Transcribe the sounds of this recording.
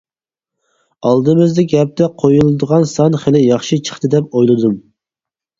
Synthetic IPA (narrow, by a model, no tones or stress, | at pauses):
ɑlˠd̪ɨmɨzd̪ɪkʲɛp̚t̪ɛqʰojulˠɨd̪əʁɑnsɑnχɪlɪjɑχʃit͡ʃʰə̥χt̪ɨd̪ɛp̚ojlˠɨd̪um